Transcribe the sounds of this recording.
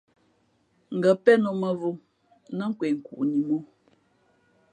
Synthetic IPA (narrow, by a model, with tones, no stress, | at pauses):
ŋ̩˨ɡə˨pɛ˦no˨mə˦vo˦ | nə˦ŋ̩˦kwe˨ŋ̩˨kṵ˨ʔni˨mo˦